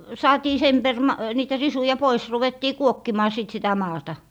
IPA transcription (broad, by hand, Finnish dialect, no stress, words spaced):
sɑːtiː sem per mɑ niːtæ risujɑ pois ruʋetːiː kuokːimɑː sit sitæ mɑːtɑ